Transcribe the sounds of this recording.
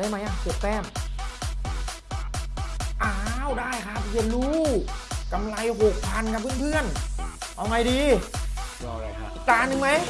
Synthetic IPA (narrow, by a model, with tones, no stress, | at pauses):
da˦˥jma˧˥jʔa˧˩kɯ˨˩ək̚t̪ɛː˧˥˩m | ʔa˨˧˩wdaː˥˩jkʰa˧˥˩phe˧˩nɾuː˦˥ka˧mla˧jɦo˨˩k̚pʰa˧nka˧pʰɯ˧˥˨npʰɯ˧˥˩ənʔa˧˩wŋa˧jdiː˧˦˧ | ʔi˨˧˩k̚t̪aː˧˥nɯ˧ŋma˨˦˥j